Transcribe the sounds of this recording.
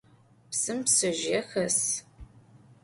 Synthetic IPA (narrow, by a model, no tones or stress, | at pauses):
psɨmpsɨʒexɐs